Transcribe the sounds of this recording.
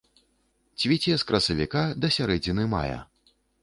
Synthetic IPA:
t͡sʲvʲit͡sʲiɛskɾɐsɐvʲikad̪ɐsʲaɾɛd͡zʲinɨma̰jɐ̰

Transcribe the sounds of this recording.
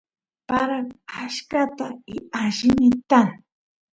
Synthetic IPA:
paɾakaʃkat̪aɪaʃɪnɪt̪aŋ

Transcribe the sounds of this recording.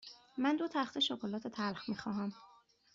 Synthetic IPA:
mænd̪ot̪ʰæxt̪ʰeʃokʰolɒːt̪ʰe̞t̪ʰælxmiːxɒːɦæm

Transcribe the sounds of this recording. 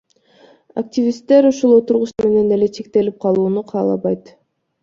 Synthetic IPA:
a̰k̚tʲivʲist̪ːe̞ɾuʃulˠo̞t̪uɾʁuʃme̞ne̞ne̞le̞t͡ʃʰe̞k̚t̪e̞lip̚qʰɑlˠuːnuqʰɑːlˠɑ̰βɑjt̪

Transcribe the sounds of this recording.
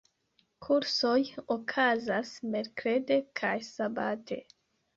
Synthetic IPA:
kʰuɾso̞jokʰazasme̞ɾkɾe̞de̞kʰajsabatʰe̞̰

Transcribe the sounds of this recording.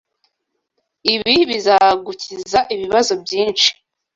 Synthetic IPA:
iβiβizaɡucizaʔiβiβazo̞bɟiːnt͡ʃi̥

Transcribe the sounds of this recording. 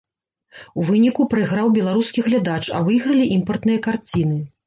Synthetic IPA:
wvɨnʲikupɾɨɣɾawbʲɛlˠaɾuskʲiɣlʲad̪at͡ʂa̰vɨjɣɾɐlʲiʔimpɐrt̪nɨjɐkart͡sʲinɨ

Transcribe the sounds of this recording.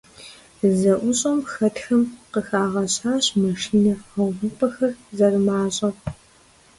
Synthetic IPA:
zɐʔʷʊɕʼɐmxɐtxɐmqəxaːʁɐɕʼħaːɕmɐʃiːnɐɐwʁʊpʰʼɐxɐrzɐrmaːɕʼɐ

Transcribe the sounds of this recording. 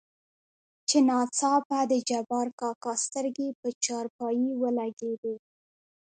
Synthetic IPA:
t͡ʃenɑt͡sɑpad̪əd͡ʒabɑɾkɑkɑst̪əɾɡepət͡ʃɑɾpɑjiwəlaɡed̪e

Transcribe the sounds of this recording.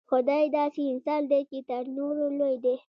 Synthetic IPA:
xʊd̪ɑjd̪ɑseɪnsɑld̪et͡ʃet̪əɾnoɾolojd̪e

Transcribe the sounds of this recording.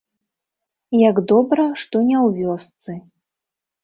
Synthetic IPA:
jaɡd̪ɔbɾɐʂt̪ɔnʲɛwvʲɔst̪sɨ

